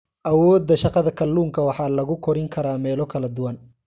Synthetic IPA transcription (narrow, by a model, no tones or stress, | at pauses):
ʔɐwɔːd̪ːɐʃɑqɑðɐkʰɐluːŋkʰɐwɑħɑːlɐɣʊkʰɔɾɪŋkʰɐɾaːmɛːlɔkʰɐlɐd̪ʊwɐn